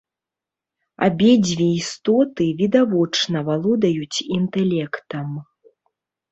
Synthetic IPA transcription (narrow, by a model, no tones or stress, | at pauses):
a̰bʲɛd͡zʲvʲeist̪ɔt̪ɨvʲid̪avɔt͡ʂnɐvalˠɔd̪ɐjut͡sʲint̪ɛlʲɛkt̪ɐm